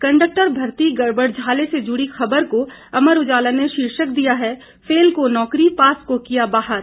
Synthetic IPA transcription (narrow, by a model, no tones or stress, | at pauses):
kɐ̃ɳɖək̚ʈəɾbʱɐɾt̪iɡɐɾbəɽd͡ʒʱaːlesed͡ʒʊɽixɐbəɾko | ɐməɾʊd͡ʒaːləneʃiːɾʃək̚d̪ijaɦɛ | feːlkonɔːkɾipaːskokijabaːɦəɾ